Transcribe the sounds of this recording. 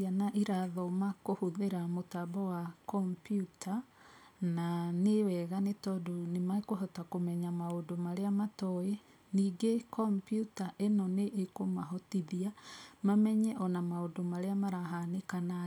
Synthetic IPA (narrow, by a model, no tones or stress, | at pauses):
anaʔiɾaðɔmakohuðeɾamotabɔwakɔmpjutʰa | nanewɛɣanetɔdonemakoɦɔtakomɛɲamaondomaɾeamatɔe | niːɡekɔmpjutaʔenɔneʔːkomaɦɔtiðiamamɛɲɛʔɔnamaondomaɾeamaɾaɦanekana